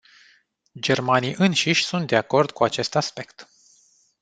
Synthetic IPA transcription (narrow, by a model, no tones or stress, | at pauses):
d͡ʒe̞rmaniʔɨnʃiʃʲsunt̪̚d̪e̞ako̞rd̪kuat͡ʃe̞st̪aspe̞kt̪